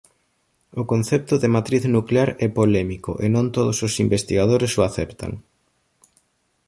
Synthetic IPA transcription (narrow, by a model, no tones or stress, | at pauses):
ʊkonθɛp̚t̪ʊðɪmat̪ɾiθnukleaɾɛpolɛmikʊ̰ʔenõnt̪oðososimbest̪iɣað̞oɾesʊaθɛpt̪a̰ŋ